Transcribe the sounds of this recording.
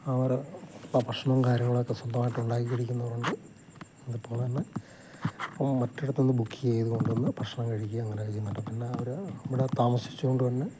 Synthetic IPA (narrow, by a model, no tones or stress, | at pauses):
ɐʋɐɾaprɐʂɐɳɐmkaːɾjɐŋːɐɭokːeswɐnd̪ɐmaːjʈːɨuɳɖaːkiɣɐɻikʲːunːɐʋɐruɳɖɨ | enðɨpːoːlɐnːe | pːɐmɐtːiɽɐt̪ːenːɨbukʰːijeːjiðuko̞ɳɖunːɨprɐʂɳɐmkɐɻikʲːuɐɐŋːɐneɐɭikʲːunːɐɳɖɐpːɐnːeɐʋɐɾɐʋiɽet̪aːmɐsi̥t͡ɕːuko̞ɳɖɨtɐnːe